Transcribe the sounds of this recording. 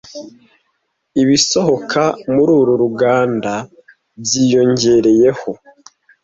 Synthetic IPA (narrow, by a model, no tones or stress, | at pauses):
iβiso̞ho̞kʰamuɾuɾuɾuɡaːnda | βjijo̞ɲɟe̞ɾe̞je̞ho̞